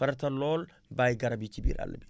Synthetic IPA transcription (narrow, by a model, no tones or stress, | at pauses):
fɐɾt̪ɐlːoːl | bajɡɐɾɐbiːt͡ʃːibḭɾɐ̰lːɐ̰bi